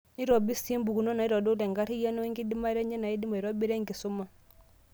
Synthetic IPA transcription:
ni˦ɾɔ˨bi˦si˦mbu˨ku˨nɔ˦na˨i˦ɾɔ˨do˦lɛ˨ŋɡa˦ɾi˦ja˦nɔ˦i˦ŋɡi˦di˦ma˦ɾɛ˦ɲɛ˦na˨i˦di˦ma˨i˨ɾɔ˦bi˦ɾɛ˦ŋɡi˨su˦ma˦

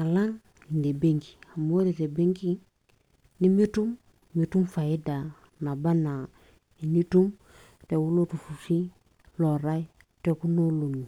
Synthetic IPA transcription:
a˨la˦ŋ | i˨nde˨be˦ŋki̥˨a˨mo˦ɾi˨te˨be˦ŋki˦ | ni˦mi˦tu˦m | mi˨tu˦mfa˨i˦da˨ | na˨ba˦na˨ | i˨ni˦tu˦m | te˨wu˦lo˦tu˨fu˨si˦ | lo˨ɾa˦i˦ | te˦ku˦no˦lo˨ni˨

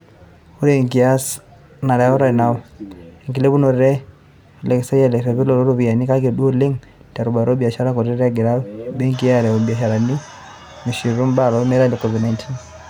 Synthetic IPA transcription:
u˦ɾe˦˨ŋki˨a˦s | na˨ɾa˨˦ɔ˦ɾa˨na˨˦e˨ŋki˨le˦βu˦no˨ɾɾɛ˦˨ | lɛ˨ksa˦ja˦˨le˨ke˨βi˦lo˨ɾo˦ɾo˦βi˨a˨ni˦ka˦ke˨do˦lɪ˦ŋ | ta˨ɾu˨ba˨ɾo˦bi˨a˨ʃa˦ɾa˦kɔ˨ɾe˦ɾa˦ɡe˨ɾa˦be˦ŋki˦ja˦ɾɛ˨o˨bi˨a˨ʃa˨ɾa˨ni˦ | mi˨ʃi˨ɾu˦mba˦˨ɾɔ˦mɛ˦ɾa˦le˨kɔvi˨dna˦jntʰi˦n

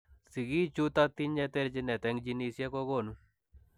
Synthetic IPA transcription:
sɪ˨ɡi˦t͡ʃu˦t̪a˦t̪i˦ɲɛ˦t̪e˦ɾd͡ʒɪ˦nɛ˨t̪ɛ˨ŋd͡ʒi˦ni˦sja˦kɔ˦ɡo˨nu˦

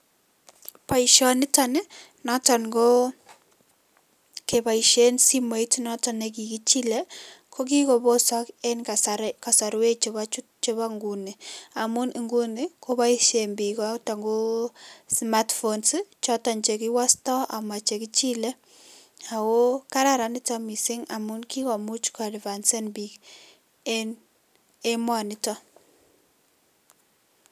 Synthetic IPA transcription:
pa˨iʃɔnɪ˦ta˨nɪ˦ | nɔ˦ta˨nɡo˦ | ke˨pa˨iʃe˦nsi˦ma˨i˦tnɔ˦ta˨nek̬i˨ki˦t͡ʃi˦lɛ˦kʰo˦k̬i˦ko˨bo˦sɔ˦ke˦nkasɾka˨sa˨ɾwe˦t͡ʃe˦βa˦t͡ʃu˦ | t͡ʃe˦βa˦ŋɡu˨ni˨a˨mu˦ni˨ŋɡu˦nɪ˦ko˦ba˦i˦ʃe˨mbi˨kɔ˦ta˨ŋɡo˦smatfo˨nst͡ʃɔ˦ta˨ɲt͡ʃe˨ki˦wa˦stɔ˦a̰˨ma˨t͡ʃe˨ki˦t͡ʃi˦lɛ˦ | a˨wo˦ka˦ɾa˨ɾa˨nɪ˦tɔ˦mi˨sɪ˦ŋa̰˨mu˦nki˦kɔ˨mu˦t͡ʃkɔ˨dva˨nse˦nbi˦k | e˦n | e˦mwa˨nɪ˦tɔ˦

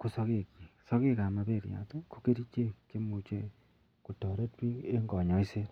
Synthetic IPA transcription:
ko˦so˦ke˨ki˨so˦ke˦ka˨ma˨be˦˨ɾja̰˨te˦ko˦ke˦ɾi˦t͡ʃe˦kːe˦mu˨t͡ʃe˦ | ku˨tɔ˨ɾe˦twi˦e˦ŋɡɔ˨ɲɔ˨˦i˦se˦t

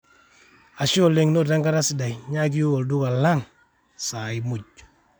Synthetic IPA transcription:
a˨ʃo˦˨le˨ŋno˦˨ta˦ŋɡa˦ɾa˦si˨da˨jɲa˦k̬i˦u˦o˨ldu˦ka˨la˦ŋ | sa˨i˨mu˨ɟ̚

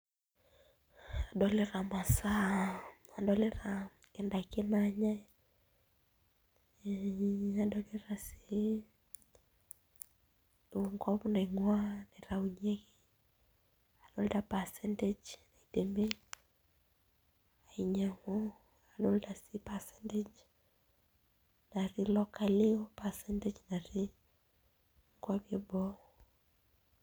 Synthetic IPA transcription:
a˨dɔ˦leɾa˨ma˨sa˦ | a˨dɔ˦le˦ɾa | ɛ˨nda˨kɪ˦naɲa˦ | a˨dɔ˦leɾa˨si | u˨ŋkɔ˦pna˨ŋwa˦nɛ˨ɾa˨uɲe˦ki | a˨dɔldapa˨sɛntɛd͡ʒna˨idɛmbe˦ | a˨iɲa˨ŋɔ | adɔlda˨sipasɛntɛd͡ʒ | na˨ri˦lɔka˨liɔ˦pa˨sɛntɛd͡ʒna˨ɾi | ŋɡwabiɛ˦bɔ

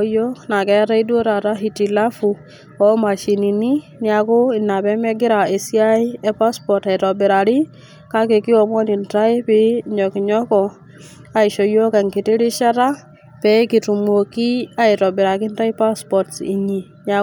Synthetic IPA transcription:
jɔ˦kna˨kɛ˦a˦ta˦i˦du˦o˦ɾa˨ta˦ɦi˨ti˨la˦fu˨ | ɔ˦ma˨ʃi˨ni˨ni˦nja˨ko˦ɪ˨nːa˨pɛ˦mɛ˦ɡɪ˦ɾa˨e˨si˦a˦i˦ɛ˦pa˦spɔ˨ɾta˨i˨tɔ˨bɪ˨ɾa˨ɾi˦ | ka˦ke˨ki˦ɔ˨mɔ˦ni˨nta˦i˦pɪ˦ɲɔ˨ki˨ɲɔ˦kɔ˨ | a˨i˨ʃɔ˨jo˦ka˨ŋki˨ti˦ɾi˦ʃa˦ta˦ | pɛ˦ki˨tu˨muo˨ki˦a˦i˨tɔ˨bɪ˨ɾa˨kɪ˦nta˦i˦pa˦spɔ˨tsḭ˨ɲi˨nja˨

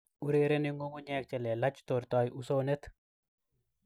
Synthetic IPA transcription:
u˦ɾe˦ɾe˦nɪ˦ŋo˦ŋo˦ɲɛ˦k̚t͡ʃɛ˨lɛ˨la˦t͡ʃto˨ɾtɔ˨jʔu˦so˦ne˦t̪

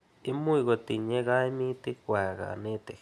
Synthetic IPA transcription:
i˦mũ˦i˧ɣo˧t̪i˨ɲẽ˦ɣa˦i˦mĩ˦t̪i˧kʷa˨ɣa̰˨nẽ˦˧t̪e˨

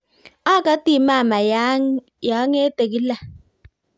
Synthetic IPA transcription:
a˦ka˦ti˦˨ma˦˨ma˨˦ | ja˨˦ŋe˦te˨ki˦la˨

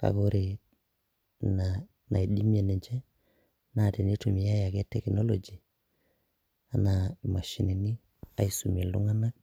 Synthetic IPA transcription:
ka̰˨ɡo˦ɾi˨ | na˨ | na̰˨i˨di˦m˦e˨nɛ˨ɲd͡ʒɛ˦ | na˨te˨ni˦tu˨mi˨a˦ja˨ɡe˦tɛ˨kno˦lo˨d͡ʒi˨ | a˨na˨ma˨ʃi˨ni˨ni˦ | a̰˨˦i˦su˨mi˨lu˦ŋa˦na˦k̚

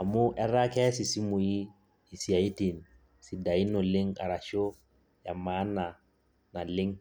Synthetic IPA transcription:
a˨mʊ˦ʔɛ˦ɾa˦kɛ˦si˨si˦mu˨iː˦˨ | si˨a˨i˦ti˨n | si˨da˨i˦no˨lɪ˦ŋa̰˨ɾa˨ʃo˦ | ja˨ma˦na˨ | na˨lɪ˦ŋ

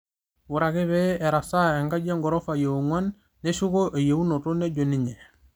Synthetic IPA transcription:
wu˨ɾa˨ɡi˦βee˨ɾa˨sa˦e˨ŋɡa˦ɟe˦ŋɡo˨ɾo˦fa˨je˨u˨ŋo˦nː | e˦su˦ɡo˦ʔe˨je˨u˦no˨ɾu˦ne˦ɟo˨niɲe˨

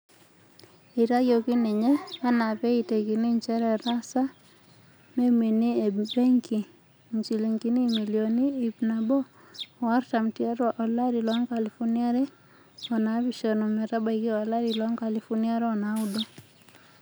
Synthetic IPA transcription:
i˨ɾa˦jo˨ki˦nɛ˨ɲɛ˦a˦na˨pɛ˦i˨te˨ki˨ni˦ɲt͡ʃɛ˦ɾɛ˨ɾa˦sa˦ | me˦mi˨ni˦ebɛ˦ŋki˨ | ɲt͡ʃi˨li˨ŋki˨ni˦mi˨lioniː˦˨pna˨bɔ˦˨ | wa˦rta˨m̩ti˦a˦ɾaʔɔ˨la˦ɾi˨lwa˦ŋka˨li˨fɔ˦nia˦ɾɛ˦ | ɔ˨na˨βi˨ʃɔ˨nɔ˨mɛ˨ɾa˦ba˨iki˦a˨la˦ɾilwa˦ŋka˨li˨fɔ˦ni˦a˦ɾɔ˨na˨u˦dɔ˦

